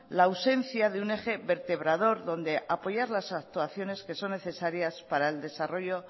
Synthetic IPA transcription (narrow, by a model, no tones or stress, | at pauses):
lawse̞n̟θjaðeune̞xe̞βe̞ɾt̪e̞β̞ɾaðo̞ɾðo̞nd̪e̞ʔapo̞ʝaɾlasak̚t̪uaθjo̞ne̞ske̞so̞nːe̞θe̞saɾjaspaɾaeld̪e̞saro̞ʝo̞